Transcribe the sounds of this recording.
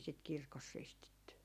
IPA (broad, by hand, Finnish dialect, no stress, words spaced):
sit kirkos ristitːy